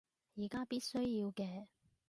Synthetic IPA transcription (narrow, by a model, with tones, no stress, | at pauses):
jiː˨˩kaː˥piː˥t̚sɵ˥ɥjiː˧wkɛː˧